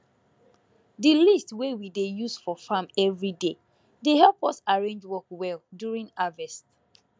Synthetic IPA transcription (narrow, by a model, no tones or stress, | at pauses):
dilistwewidejusfɔfamɛvɹide | deɦɛlpɔsaɹẽnd͡ʒwɔkwɛlˠdjuɹĩŋavɛst